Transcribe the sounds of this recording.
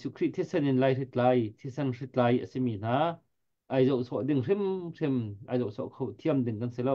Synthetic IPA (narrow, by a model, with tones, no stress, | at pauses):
su˧kʰri˦ʔt̪ʰi˦sɛ˥nɪ˨nla˧jri˧t̪̚laː˨˧jt̪ʰi˧˥sɛ˧nri˧t̪̚laː˧jʔə̰si˧miː˧˨n̥aː˧˦ | ʔa˧jzɐ˧˨wsʰɔ˧˨ʔdɪ˧ŋri˥mri˧mʔa̰˧˨jzɔ˧˨wsʰɔ̰˧˨ʔkʰɐ˧wt̪ʰi˧əmdɪ˧˨ŋkɐ˧nsɛ˧lɐ˧w